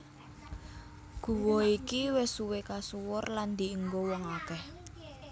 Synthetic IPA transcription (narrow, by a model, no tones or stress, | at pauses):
ɡ̥ṳwɔikiwɛsuwekasuwʊrland̪i̤əŋɡowɔŋakɛh